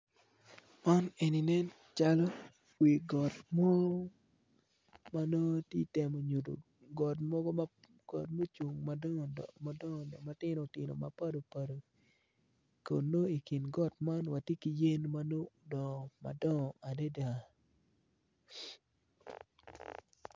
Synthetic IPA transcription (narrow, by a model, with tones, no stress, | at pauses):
ɔ˦ne˨ni˨nɛ˦n | t͡ʃa˦lɔ˦ | wi˨ɡɔ˨tmɔ˦ɡɔ˦ | ma˦no˦tjḛ˦te˨mo˨ɲo˨do̰˨ | ɡɔ˨t̬mɔ˦ɡɔ˦m˦ | ɡɔ̰˨tmo˦t͡ʃu˨ŋma˨˦a˦dɔ˦˨ma˦tɪ˦no˨tɪ˨no̰˨ma˨pa˦do˨pa˨do˨ | ko̰˨nːo˦i˨ki˨nɡɔ˦tma˦nwa˨tje˦ki˨je˦nma˦no˦dɔ˨ma̰˨dɔ˦˨ŋɔ˨a˨de˦da˨